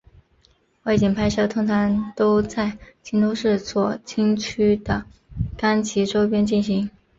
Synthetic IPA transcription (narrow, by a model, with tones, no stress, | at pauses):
wa˥˩ɪt͡ɕi˨˩npʰa˥ɪʂɤ˥˩t̪ʰʊ˥ŋt̪ʰa˧˥ŋt̪o˥ʊt͡sa˥˧ɪt͡ɕʰi˥nt̪o˥ʊʂɻ̩˥˧t͡swɔ˥˩t͡ɕʰi˥ŋt͡ɕʰy˥d̪ə˨ka˥nt͡ɕʰi˧˥ʈ͡ʂo˥ʊpjɛ˥nt͡ɕi˥˩nɕi˧˥ŋ